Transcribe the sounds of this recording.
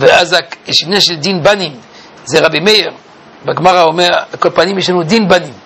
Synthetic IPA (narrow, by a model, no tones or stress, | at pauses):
veʔazaeʃivneʃeld̪inbanim | zeʁabimejeʁ | baɡmaʁaomeʁakolpanimjeʃ̬lanud̪inbanim